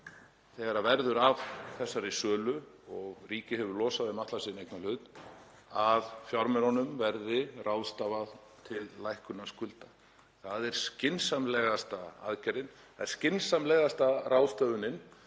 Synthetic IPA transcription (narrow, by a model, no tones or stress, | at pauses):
θɛɣaɾavɛɾðʏɾavθɛsːaɾɪsœːlʏ | ɔɣriːcɪhɛvʏɾlɔːsaðɪmaht̪lasiːɪnejknalʏt̪n | avfjɔɾmɛɾɔnʏmvɛɾðɪraːwðst̪avað | t̪ʰɪlːajhkʏnaskʏlt̪ḁ | θaðɛɾ̥scɪnsamlɛɣast̪aa̰ðcɛɾɪn | θaðɛɾscɪnsamlɛɣast̪arawðst̪œvʏnɪn